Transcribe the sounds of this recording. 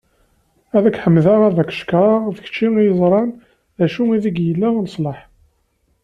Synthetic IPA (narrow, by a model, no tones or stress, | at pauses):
æðækʷħəmːðaʁæðækʃkʁɑʁðəç̥t͡ʃːiŋjəzˤɾˤɑn | ðæʃuiðiɡjəlːænəsˤlɑħ